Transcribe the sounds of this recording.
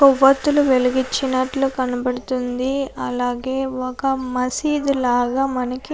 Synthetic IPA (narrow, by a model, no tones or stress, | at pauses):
kɔʋːɐt̪ːuluʋeliɡit͡ʃːinɐʈlɐkɐnɐbɐɽut̪und̪iɐlaːɡe̞ːʋɔkɐmɐsiːd̪ulaːɡaːmɐnɐki